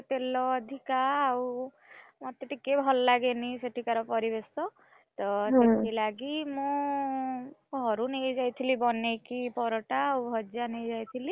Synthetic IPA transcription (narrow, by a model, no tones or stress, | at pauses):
t̪elɔːd̪ʱikaːw | mɔt̪eʈikebʱɔlɔlaɡeniseʈʰikaɾɔpɔɾibesɔ | t̪ɔɦseʈʰilaɡimũ | ɡʱɔɾunejd͡ʒajt̪ʰilibɔnekipɔɾɔʈaːwbʱɔd͡ʒanejd͡ʒajt̪ʰili